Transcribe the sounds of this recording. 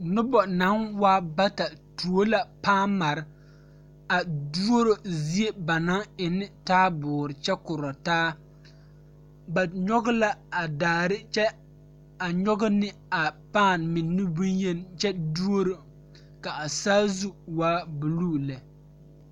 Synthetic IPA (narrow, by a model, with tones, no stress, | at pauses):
nʊ˦bɔ˨na˨˦nwaː˦ba˦ta˨tu˨o˦la˦paː˦˨nma˨ɾɪ˦ | a˨du˦o˦ɾo˨zi˦e˦ba˨na˦ɪ˨nɪ˦taː˦bʊː˨ɾɪ˨t͡ʃɛ˦kʊ˨ɾɔ˨taː˦ | ba˨ɲɔ˦ɣʊ˦la˦a˨daː˨ɾɪ˦t͡ʃɛ˦ | a˨ɲɔ˦ɡɪ˦nɪ˦a˨paː˦˨nmɪ˨nːɪ˦bu˦jɛ˦nt͡ʃɛ˦du˦o˦ɾo˨ | ka˨a˨saː˦zu˦waː˦bu˨luː˦˨lɛ˨